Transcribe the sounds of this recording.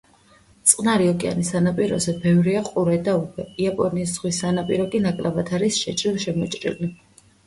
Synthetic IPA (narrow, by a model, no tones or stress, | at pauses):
t̪sʼqʼnaɾiɔkʼia̰nisanapʼiɾɔ̰zɛbɛvɾiaqʼuɾɛd̪aukʰɛiapʼɔniːsz̥ʁwisanapʼiɾɔkʼinakʼlabat̪ʰaɾisʃɛt͡ʃʼɾilʃɛmɔt͡ʃʼɾḭli